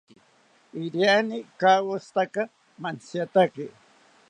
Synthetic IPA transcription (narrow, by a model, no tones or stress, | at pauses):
ɪɾjanɪkawost̪aka | mansjat̪akɪ